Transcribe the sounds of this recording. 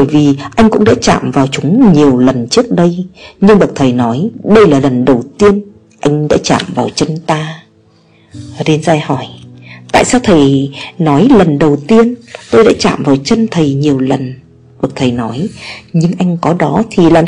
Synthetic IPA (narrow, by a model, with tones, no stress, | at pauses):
ɓə˧˩jvi˨˩ʔa˧jŋ̟kʊ̰˧˥ŋ͡mɗa̰ː˧˥t͡ɕa̰ː˧˨mvaː˨˩wt͡ɕʊ˨˦ŋ͡mɲi˨˩əwlə˨˩nt͡ɕɨ˦˥ək̚ɗə˧jɲɨ˧ŋɓə˨˩k̚t̪ʰə˨˩jnɔ˨˦jɗə˧jlaː˨˩lə˨˩nɗə˨˩wt̪i˧ən | ʔa˧jŋ̟ɗa̰ː˧˥t͡ɕa̰ː˧˨mvaː˨˩wt͡ɕə˧nt̪aː˧ | ze˧nzaː˧jhɔ˧˩jt̪a̰ː˧˨jsaː˧wt̪ʰə˨˩jnɔ˨˦jlə˨˩nɗə˨˩wt̪i˧ənt̪o˧jɗa̰ː˧˥t͡ɕa̰ː˧˨mvaː˨˩wt͡ɕə˧nt̪ʰə˨˩jɲi˨˩əwlə˨˩n | ɓə˨˩k̚t̪ʰə˨˩jnɔ˨˦jɲɨ˧ŋʔa˧jŋ̟kɔ˨˦ɗɔ˨˦t̪ʰi˨˩laː˨˩